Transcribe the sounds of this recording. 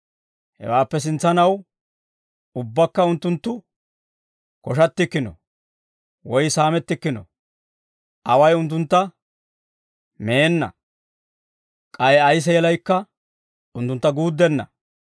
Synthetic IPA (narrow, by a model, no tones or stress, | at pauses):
hɛ̰waːpːɛs̬ɪnt͡sːɐnɐw | ʊbːɐkːɐʊnt̪ːʊnt̪ːʊ | kɔʃɐt̪ːɪkːɪnɔ̰ | wɔjsaːmɛt̪ːɪkːɪnɔ̰ | ʔɐwɐjʊnt̪̬ːʊnt̪ːɐ | meːnːɐ̰ | kʼɐjɛɐjs̬ɛjɛlɐjkːɐ | ʊnt̪ːʊnt̪ːɐɡuːd̪ːɛnːɐ̰